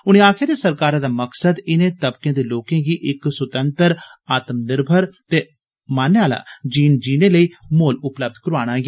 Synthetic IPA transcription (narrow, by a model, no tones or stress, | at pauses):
ʊñẽːaːkʰɪjaːd̪eːsəɾkaːɾãːd̪aːməksəd̪ɪnẽːt̪əbkẽːd̪eːloːkẽːɡiːʔɪksʊt̪ənt̪əɾaːt̪əmnɪɾbʱəɾt̪eː | maːnaːla̰ːd͡ʒiːnd͡ʒiːnẽːləiːmoːlʊpləb̚d̪kəɾoaːɽ̃aːɡ